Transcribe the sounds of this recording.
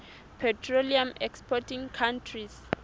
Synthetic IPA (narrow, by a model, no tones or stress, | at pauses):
pʰɛtʰroliamɛkspʰɔtʰĩŋkʰãntʰris